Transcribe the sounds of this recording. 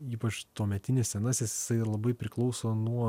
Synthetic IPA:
iːpɐt͡ʃt̪uːmʲɛt̪ʲɪnʲessʲɛnɐsjɪsjɪsɐɪlˠɐbɐɪpʲɾʲɪklˠɒʊsoːnuɔ

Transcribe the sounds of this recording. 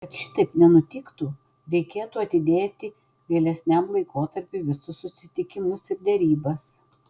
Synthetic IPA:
kɐt̪ʃʲɪ̥t̪ɐɪpnʲɛnʊt̪ʲɪkt̪u | ɾʲɛɪkʲeːt̪uːɐt̪ʲɪd̪ʲeːt̪ʲɪ | ʋʲiɛlʲɛsʲnʲæmlˠɐɪkoːt̪ɐɾʲpʲɪʋʲɪsʊsːʊsʲɪt̪ʲɪkʲɪmʊsɪɾd̪ʲɛɾʲiːbɐs

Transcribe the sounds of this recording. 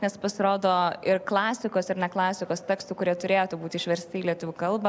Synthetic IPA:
nʲɛspɐsʲɪɾoːd̪oːɪrklˠɑːsʲɪkoːsɪɾnʲɛklˠɑːsʲɪkoːst̪ʲɛːkst̪ʊkʊɾʲiɛt̪ʊɾʲeːjot̪ubuːt̪ʲɪʃʋʲɛɾʲsʲt̪ʲɪːlʲiɛt̪ʊʋʲʊkɐlˠbɐ

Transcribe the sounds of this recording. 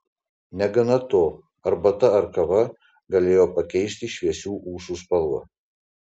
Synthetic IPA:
nʲɛɡɐnɐt̪oː | ɐɾbɐt̪ɐɐɾkɐʋɐ | ɡɐlʲeːjoːpɐkʲɛɪʃʲt̪ʲiʃʲʋʲiɛsʲuːʔuːʃuːspɐlˠuɔ̰

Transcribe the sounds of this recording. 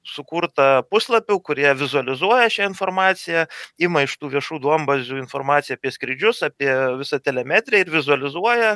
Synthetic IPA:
sʊkuːɾt̪ɐpʊslˠɐpʲʊkʊɾʲiɛʋʲɪzʊɐlʲɪzuɔjɛʃʲæɪnfoːɾmɑːt̪sʲɪjɛɪmɐɪʃt̪uːʋʲiɛʃuːd̪uɐmbɐzʲuːɪnfoɾmɑːt̪sʲjɛɐːpʲiɛsʲkɾʲɪd͡ʒʲʊsɑpʲiɛʋʲɪsɐt̪ʲɛlʲɛmʲæːt̪ʲɾʲɛɪɾʋʲɪzʊɐlʲɪzuɔjɛ

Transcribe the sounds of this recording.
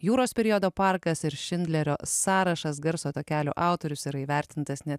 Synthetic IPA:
juːɾoːspʲɛɾʲiod̪oːpɑɾkɐsɪɾʃʲɪnʲd̪ʲlʲɛɾʲo̰ːsɑːɾɐʃɐs̬ɡɐɾsoːt̪oːkʲæːlʲo̰ːʔɑˑʊt̪oːɾʲʊsiːɾɐiːʋʲæˑɾʲt̪ʲɪnt̪ɐsnʲɛ

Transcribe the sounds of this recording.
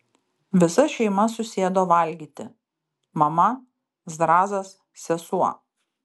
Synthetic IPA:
ʋʲɪsɐʃʲɛɪmɐsʊsʲeːd̪oːʋɐlʲɡʲiːt̪ʲɪ̰ | mɐmɐ | zd̪ɾɑːzɐs | sʲɛsuɔ

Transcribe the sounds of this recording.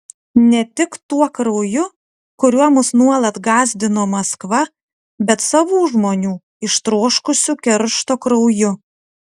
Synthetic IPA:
nʲɛt̪ʲɪkt̪uɔkɾɐʊjʊ | kʊɾʲuɔmʊsnuɔlˠɐt̪ɡɑːzʲd̪ʲɪnoːmɐskʋɐ | bʲɛt̪sɐʋuːʒmoːnʲuː | ɪʃt̪ɾoːʃkʊsʲʊkʲɛɾʃt̪oːkɾɐʊjʊ

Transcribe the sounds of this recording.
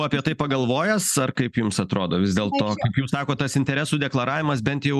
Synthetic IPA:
ɐːpʲiɛt̪ɐɪpɐɡɐlˠʋoːjɛsɐrkɐɪpjʊmsɐt̪ɾoːd̪oːʋʲɪzʲd̪ʲeːlˠt̪oːkɐɪpjuːsɑːkoːtt̪ɐsɪnʲt̪ʲɛɾʲæsuːd̪ʲɛklˠɐɾɑːʋʲɪmɐs̬bʲɛnt̪jɛʊ

